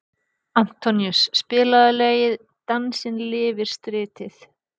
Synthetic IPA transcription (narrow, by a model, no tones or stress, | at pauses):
am̥t̪ʰɔnjusːpɪːlaðɪlɛːjɪð | t̪ansɪnlɪːvɪɾ̥st̪ɾɪːt̪ɪθ